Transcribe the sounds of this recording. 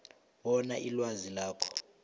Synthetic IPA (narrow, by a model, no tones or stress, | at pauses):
wɔnaʔilwazilaːkʰɔ̥